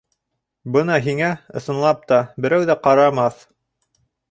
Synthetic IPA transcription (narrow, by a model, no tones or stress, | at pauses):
bɤnɑɦiŋæɤ̆sɤ̆nlˠɑp̚t̪ɑbɘ̆ɾæwðæqɑɾɑmɑθ